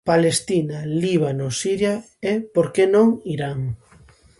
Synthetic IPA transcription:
palest̪inaliβanosiɾja | epoɾkenõŋiɾaŋ

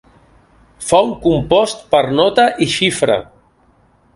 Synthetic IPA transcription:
fawŋkumpɔst̪pəɾnɔt̪əʔiʃifɾə̰

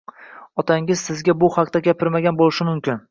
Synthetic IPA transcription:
ɒt̪ʰaŋɪzsɪzɡʲabʊhakt̪aɡʲapʰɪɾmaɡʲanbolɪʃɪmʊmkʲɪn

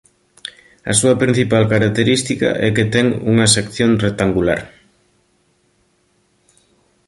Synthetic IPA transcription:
ɐ̰suɐpɾin̟θipalkaɾak̚t̪eɾist̪ikɐ̰ʔɛket̪ɛŋṵŋɐsekθjonrek̚t̪aŋɡula̰ɾ

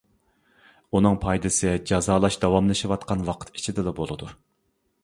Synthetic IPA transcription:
unɨŋpʰɑjd̪ɨsɨd͡ʒɑzɑːlˠɑʃd̪ɑwɑmlˠɨʃɨwɑt̪qʰɑnwɑqʰə̥t̪i̥t͡ʃʰid̪ɪlˠɑbolˠɨd̪u

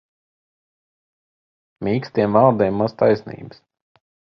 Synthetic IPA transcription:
mʲiːkst̪ʲiɛmvɑɾd̪ɛːmːaz̥t̪ajsnḭːbəs

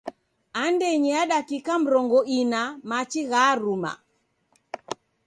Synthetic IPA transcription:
andɛɲiaɗakikam̩ɾɔŋɡɔinamat͡ʃiɣaɾuma̰

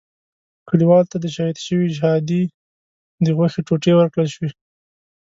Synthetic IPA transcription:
kəliwɑlt̪ad̪əʃahid̪ʃəwid͡ʒhɑd̪i | d̪əɣwaxeʈoʈewəɾkɽəlʃwi

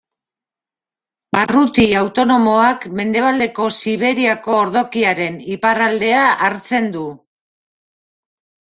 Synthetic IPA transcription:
barut̪iawt̪o̞no̞mo̞akme̞nd̪e̞β̞ald̪e̞ko̞siβ̞e̞ɾiako̞ːɾðo̞kiaɾe̞niparald̪e̞aʔaɾt͡se̞nd̪u

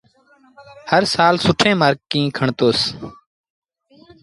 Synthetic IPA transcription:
həɾsaːlsʊʈʰẽːmaːɾɡ̚kĩːkʰəɳt̪oːs

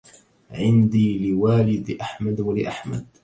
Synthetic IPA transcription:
ʕɪnd̪iːlɪwaːlɪd̪ʔaħmad̪walɪʔaħma̰d̪̚

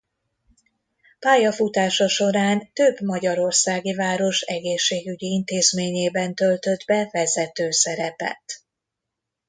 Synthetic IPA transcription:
paːjɒfut̪aːʃɒʃo̞ɾaːnt̪øbmɒɟɒɾo̞rsaːɡivaːɾo̞ʃɛɡeːʃːeːɡyɟiint̪eːzmeːɲeːbɛnt̪ølt̪ø̞d̪bɛvɛzɛt̪øːsɛɾɛpɛ̰t̪

